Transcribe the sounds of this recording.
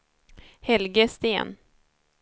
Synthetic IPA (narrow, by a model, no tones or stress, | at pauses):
hɛlɡəst̪ḛːn